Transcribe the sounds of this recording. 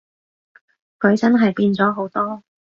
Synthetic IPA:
kʰɵ˨˧ɥt͡sɐ˥nɦɐ˨jpiː˧nt͡sɔː˨˥ɦo˨˥wt̪ɔː˥

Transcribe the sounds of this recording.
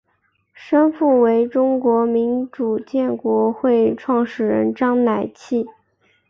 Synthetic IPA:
ʂə˥nfu˥˩we˧˥ɪʈ͡ʂʊ˥ŋkwɔ˧˥mi˧˥nʈ͡ʂu˨˩t͡ɕjɛ˥˩nkwɔ˧˥xwe˥˧ɪʈ͡ʂʰwɑ˥˩ŋʂɻ̩˨˩ɻə̰˧˥nʈ͡ʂɑ˥ŋna˨˩ɪt͡ɕʰi˥˩

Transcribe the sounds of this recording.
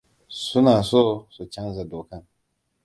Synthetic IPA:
su˦naː˨soː˦˨su˨t͡ʃɐ˦nza˨doː˨kɐ˦ŋ

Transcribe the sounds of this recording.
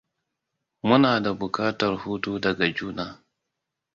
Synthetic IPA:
mʊ˦naː˨da˨bʊ˨kaː˦tɐ˨rhuː˦tuː˦dɐ˨ɡa˨d͡ʒuː˦naː˨

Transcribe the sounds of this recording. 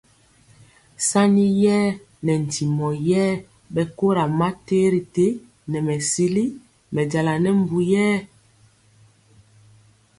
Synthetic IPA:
sa˦ni˦jɛː˦ | nɛ˨n̩˨ti˨mɔ˨jɛː˦ | bɛ˨ko˦ɾa˨ma˦te˦ɾi˨te˦ | nɛ˨mɛ˨si˦li˦ | mɛ˨ɟa˨la˨nɛ˦m˦bu˨jɛː˦

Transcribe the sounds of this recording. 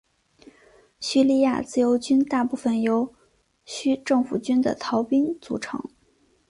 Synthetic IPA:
ɕy˥˧li˥˧ja˥˧t͡sɹ̩˥˩jo˧˥ʊt͡ɕy˥nt̪a˥˧pu˥˩fə˨˩njo˧˥ʊ | ɕy˥ʈ͡ʂɤ˥˩ŋfu˨˩t͡ɕy˥nd̪ə̰˨t̪ʰɑ˧˥ʊpi˥ŋt͡sṵ˧˥ʈ͡ʂʰɤ̰˧˥ŋ

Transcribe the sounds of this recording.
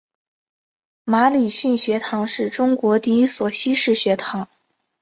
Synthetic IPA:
ma˧˥li˨˩ɕy˥˩nɕɥɛ˧˥t̪ʰɑ˧˥ŋʂɻ̩˥˩ʈ͡ʂʊ˥ŋkwɔ˧˥t̪i˥˩i˥swɔ˨˧˩ɕi˥ʂɻ̩˥˩ɕɥɛ˧˥t̪ʰɑ˧˥ŋ

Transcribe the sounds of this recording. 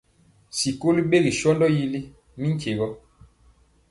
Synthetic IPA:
si˨ko˦li˦ɓe˦ɣi˨ʃɔ˦ndɔ˦ji˦li˦ | mi˦ŋ̩˦ke˨ɣɔ˦

